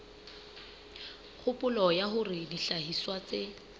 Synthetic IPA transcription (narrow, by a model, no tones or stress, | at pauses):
χʰʊpʊlɔjaχʊrɪdiɬaɦiswat͡sɪ